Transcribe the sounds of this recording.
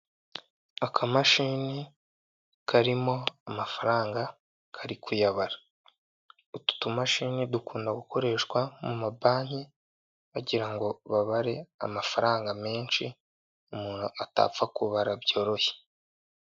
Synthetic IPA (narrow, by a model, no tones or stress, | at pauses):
akʰamaʃiːni | kʰaɾimo̞amafaɾaːŋɡa | kʰaɾikʰujaβaɾa | utu̥tumaʃiːnidukuːndaɡukʰo̞ɾe̞ːʃkwamumabaːɲ̥e | βaɟiɾaŋɡo̞βaβaɾe̞a̰mafaɾaːŋɡame̞ːnʃi | umuːnhuata̰p͡fakuβaɾabjo̞ːɾo̞çe̥